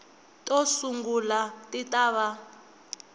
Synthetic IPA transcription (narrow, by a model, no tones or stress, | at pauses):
tʼɔsuŋɡulatʼitʼaːβa